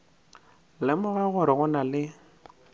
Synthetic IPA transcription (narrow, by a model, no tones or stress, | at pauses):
lɪmʊɣaɣʊɾɪɣʊnalɪ